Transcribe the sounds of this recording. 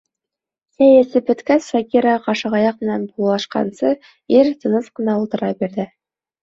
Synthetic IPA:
sæjæsɘbɵ̆t̪kæsʃɑkʲiɾɑqɑʃɤ̆ʁɑjɑq̚mɘ̆nænbulˠɑlˠɑʃqɑ̰nsɤ | iɾt̪ɤ̆nɤsqɤ̆nɑulˠt̪ɤ̆ɾɑbiɾðɘ

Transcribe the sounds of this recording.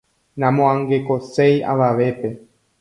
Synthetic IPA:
nãmõãŋɡe̞koseja̰ʋaʋe̞pe̞

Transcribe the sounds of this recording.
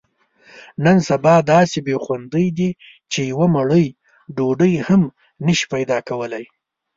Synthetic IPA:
nənsabɑd̪ɑsebexwand̪əjd̪i | t͡ʃejawamaɽəj | ɖoɖəjham | nəʃi̥pajd̪ɑkawəlaj

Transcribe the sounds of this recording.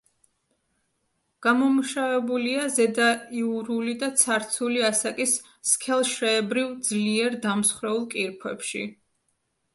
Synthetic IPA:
ɡ̥amɔmuʃavɛbuliazɛd̪aiuɾulid̪at̪sʰaɾt̪sʰuliasakʼisː | kʰɛlˠʃɾɛːbɾivd̪zliɛɾd̪amsχɾɛulˠkʼiɾpʰwɛpʃḭ

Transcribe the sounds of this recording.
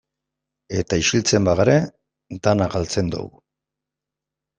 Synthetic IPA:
e̞t̪aiʃilt͡se̞mbaɣaɾe | d̪anakalt͡se̞nd̪o̰w

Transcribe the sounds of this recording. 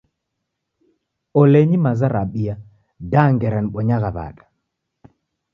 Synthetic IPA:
ɔlɛɲimazaɾaɓia | daŋɡɛɾanɓɔɲaɣaβa̰ɗḁ

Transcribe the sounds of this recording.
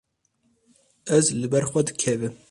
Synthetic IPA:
ɛzlɨbɛɾxʷɐd̪ɨkʰɛvɨm

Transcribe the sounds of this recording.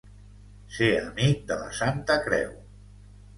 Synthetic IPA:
seəmik̚d̪ələ̰sant̪əkɾɛ̰w

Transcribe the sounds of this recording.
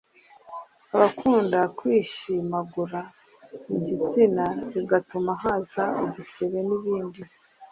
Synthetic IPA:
aβakʰuːndakwiːʃimaɡuɾa | iɟit͡sinaɾiɡatumaɦaːzaoβuseɾe̞niβiːndi

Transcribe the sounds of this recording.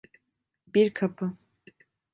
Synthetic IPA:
biɾkʰapʰɯ

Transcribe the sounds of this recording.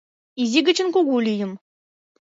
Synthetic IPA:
izʲiɡʲɘ̆t͡ɕɘ̆nkuɡulʲijɤ̆m

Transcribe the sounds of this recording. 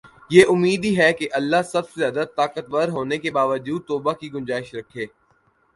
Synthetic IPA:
jeːʔʊmːiːd̪iɦɛkeʔɐlːasɐbsezjaːd̪at̪aːkət̪ʋəɾɦoːnekebaːʋəd͡ʒuːd̪̚t̪oːbakiɡʊ̃nd͡ʒaːɪʃɾɐkʰːeː

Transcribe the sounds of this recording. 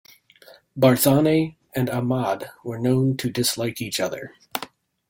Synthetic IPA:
bɑɹθɑne | ɨ̃nəmɑdwə˞nõʊ̃ntʰɨdɨslaɪkit͡ʃʌðə̰˞

